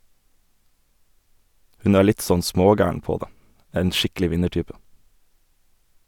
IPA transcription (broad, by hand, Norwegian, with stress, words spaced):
ˈhʉn ˈæː ˈɭɪt ˈsɔn ˈsmoːˌɡæːəɳ ˈpoː ˈdeː ˈeːn ˈʃɪkl̩ɪ ˈʋɪnəˌʈyːpə